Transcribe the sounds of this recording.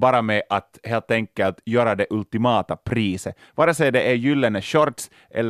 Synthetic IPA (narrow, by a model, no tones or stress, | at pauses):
bɑːɾamɛʔat̪heːlt̪ɛŋkːəlt̪jøːɾad̪ɛʔɵlt̪ɪmɑːt̪apʰɾiːsə | vɑːɾəsɛd̪ɛʔæjʏlːənəʃɔɾt̪s | ʔɛ̰lː